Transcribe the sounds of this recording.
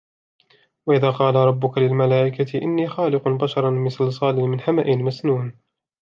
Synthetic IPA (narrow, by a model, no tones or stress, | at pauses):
waʔɪðaːqɑːlaɾˤɑbːʊkalɪlmalaːʔɪkat̪ɪʔɪnːiːxɑːlɪqʊbaʃɑɾˤɑmɪsɑlsˤɑːlɪmɪnħamaʔɪlmasnuːn